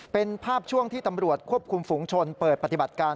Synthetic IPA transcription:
pe˧npʰaː˥˩p̚t͡ɕʰu˥˩əŋt̪ʰiː˥˩t̪a˧mɾu˨˩ət̪̚kʰu˥˩əp̚kʰu˧mfu˩˦ŋt͡ɕʰo˧npəɤː˨˩t̪̚pa˧˩t̪i˨˩ba˨˩t̪̚kaː˧

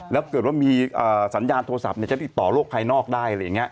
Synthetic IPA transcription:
lɛː˦˥wkɤ˨˩t̪̚waː˥˩miː˧ʔəː˨˩sa˩˦njaː˧nt̪ʰoː˧sa˨˩p̚ni˧˩t͡ɕa˨˩˧i˨˩t̪ːɔː˨˩lo˥˩k̚pʰaː˧jnɔː˥˩k̚daː˥˩ja˧lːja˨˩ŋi˦˥ɐ

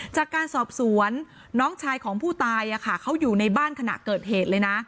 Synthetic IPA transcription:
t͡ɕaː˨˩kːaː˧nsɔː˨˩p̚su˨˩˦ənː | ɔː˦˥ŋt͡ɕʰaː˧jkʰɔː˩˦ŋpʰuː˥˩t̪aː˧jʔa˨˩kʰa˥˩kʰa˦˥wjuː˨˩na˧jbaː˥˩nkʰa˧na̰˨˩kɤː˨˩t̪̚heː˨˩t̪̚lɤː˧jna˦˥

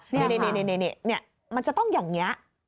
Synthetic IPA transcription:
ne˧˩ne˧˩ne˧˨ne˧˩ne˧˩ni˧˩ni˥˩ɐ | ma˧nt͡ɕa˨˩t̪ɔ˥˩ŋjaː˨˩ŋni˦˥ɐʔ

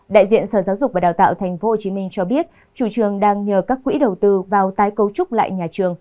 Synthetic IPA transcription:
ɗa̰ː˧˨jzḭ˧˨ənsəː˧˩zaː˨˦wzʊ˨˩k͡p̚vaː˨˩ɗaː˨˩wt̪a̰ː˧˨wt̪ʰjŋ̟fo˨˦hoː˨˩t͡ɕi˨˦mi˧ŋ̟t͡ɕɔ˧ɓi˦˥ət̚ | t͡ɕu˧˩t͡ɕɨ˨˩əŋɗaː˧ŋɲəː˨˩kaː˦˥k̚ːwḭ˧˥ɗə˨˩wt̪ɨ˧vaː˨˩wt̪aː˨˦jkə˨˦wt͡ɕʊ˦˥k͡p̚la̰ː˧˨jɲaː˨˩t͡ɕɨ˨˩əŋ

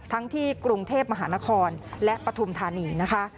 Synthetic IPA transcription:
t̪ʰa˦˥ŋt̪ʰiː˥˩kɾu˧ŋt̪ʰeː˥˩p̚ma˧ɦaː˩˦na˦˥kʰɔː˧nlɛ˦˥ʔpɾa˧t̪ʰu˧mt̪ʰaː˧niː˧na˦˥kʰa˦˥ʔ

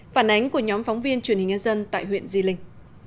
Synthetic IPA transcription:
faː˧˩nʔa˨˦jŋ̟ku˧˩əɲɔ˨˦mfɔ˨˦wŋ͡mvi˧ənt͡ɕwənhï˨˩ŋ̟ɲaː˧zə˧nt̪a̰ː˧˨jɦwḭ˧˨ənzi˧lï˧ŋ̟

